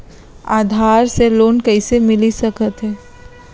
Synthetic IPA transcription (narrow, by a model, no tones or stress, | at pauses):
aːd̪ʱaːɾseloːnkɐisemɪlisɐkət̪ɦɛː